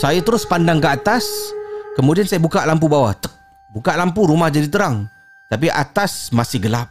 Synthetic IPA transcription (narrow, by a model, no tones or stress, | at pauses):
sajat̪əɾʊspandaŋkəat̪askəmudiansajabukaʔlampubawat̪ək̚ | bukaʔlampuɾumahd͡ʒadit̪əɾaŋ | t̪ap̬iʔa̰t̪asmasɪhɡəlap̚